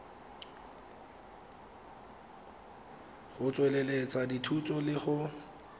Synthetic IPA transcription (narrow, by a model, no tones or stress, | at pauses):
χʊt͡sʼwɛlelet͡sʼaditʰut͡sʼɔlɪχʊ